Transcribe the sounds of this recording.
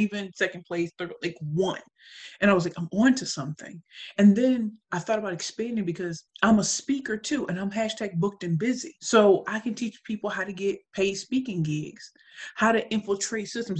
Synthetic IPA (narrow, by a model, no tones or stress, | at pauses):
ivɨ̃nsɛkɨ̃npʰl̥eɪsθɜ˞dlaɪkwʌ̃n | ɨ̃ñaɪwʌzlaɪkãɪ̃mɡɔ̃ntʰɨsʌ̃mθɪ̰̃ŋɨ̃nðɨ̃nʔaɪθɔɾəbaʊɾɨkspæ̃ndɪ̃ŋbɨkʰʌzʔãɪ̃məspikə˞tʰʉʔɨ̃ñãɪ̃mɦæʃtʰæk̚bʊk̚tɨ̃nbɪzisoʊʔaɪkɨ̃ntʰit͡ʃpʰipl̩ˠɦaʊɾɨɡɛt̚pʰeɪspikɪ̃ŋɡɪɡz̥ | haʊɾɨʔɪ̃ɱfl̩ˠtʰɹ̥eɪtsɪstə̃m̩